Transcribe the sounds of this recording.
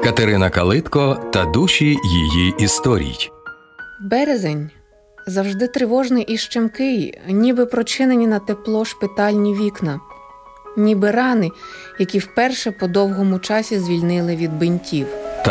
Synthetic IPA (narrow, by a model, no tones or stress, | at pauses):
kɐt̪eɾɪnɐkɐlˠɪt̪kɔt̪ɐd̪uʃʲijḭjiist̪ɔɾʲḭjʲ | bɛɾezenʲ | zɐwʒd̪ɪt̪ɾɪʋɔʒnɪjʔiʃt͡ʃemkɪjnʲibɪpɾɔt͡ʃɪnenʲinɐt̪eplˠɔʃpɪt̪ɑlʲnʲiʋʲiknɐ | nʲibɪɾɑnɪjɐkʲiwpɛrʃɛpɔd̪ɔwɦɔmʊt͡ʃɑsʲizʲʋʲilʲnɪlˠɪʋʲid̪̚bɪnʲtʲiwt̪